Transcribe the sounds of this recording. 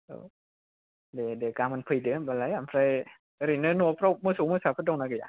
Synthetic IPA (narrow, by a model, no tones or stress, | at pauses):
ɯ̰ | dedekamanpʰɯdebalajampʰɾaj | ɾinɯnupʰɾɔk̚mɯsumɯsapʰɯdɔŋnakɯja